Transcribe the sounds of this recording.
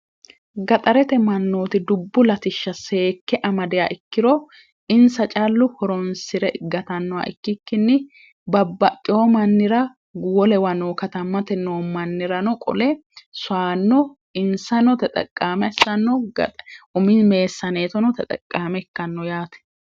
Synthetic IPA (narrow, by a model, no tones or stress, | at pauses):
ɡɐt̪ʼɐɾɛt̪ɛmɐnːoːt̪ɪd̪ʊbːʊlɐt̪ɪʃːɐse̞ːkːɛʔɐmɐd̪ɪja̰ːʔɪkːɪɾɔ | ɪnsɐt͡ʃʼalːʊhɔɾɔnsɪɾɛɡɐt̪ɐnːɔwa̰ʔɪ̰kːɪkːɪnːɪ | bɐbːɐt̪ʼːɪjomɐnːɪɾɐ | ɡwɔlɛwɐnoːkɐt̪ɐmːɐt̪ɛnoːmɐnːɪɾɐnɔkʼɔ̰lɛsʊaːnːɔ | ɪnsɐnɔt̪ɛt̪ʼɐ̰kʼːaːmɛsɐnːɔ | ʊmɪme̞ːsːɐneːt̪ɔnɔt̪ɛt̪ʼɐ̰kʼːaːmɛɪkːɐnːɔjaːt̪ɛ̥